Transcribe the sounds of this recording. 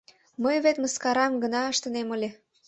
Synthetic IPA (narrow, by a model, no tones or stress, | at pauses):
məjβet̪məskɑɾɑmɡə̆nɑəʃt̪ə̆neməlʲe